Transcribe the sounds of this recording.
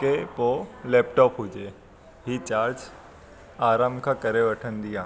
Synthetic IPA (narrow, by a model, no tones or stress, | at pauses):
kepolɛːp̚ʈɔːpɦʊd͡ʒe | ɦit͡ʃaːɾd͡ʒ | aːɾaːmkʰãkɐɾeʋəʈʰənd̪ijãː